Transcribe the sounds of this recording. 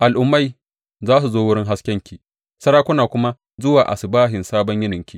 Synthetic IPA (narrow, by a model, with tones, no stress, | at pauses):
ʔa˨lʔʊ˨mːa˦j | zaː˦s̬u˨zoː˦wʊ˦ɽɪ˦ŋɦa˦skʲɛ˦ŋkʲiː˨ | sɐ˦ɽaː˦kʷʊ˦naː˨kʷʊ˦ma˦ | zʊ˦waː˨ʔa̰˨sɪ˨baː˦ɦɪ˨nsaː˦bɔ˦ɲjɪ˦nɪ˨ŋkʲi˦˨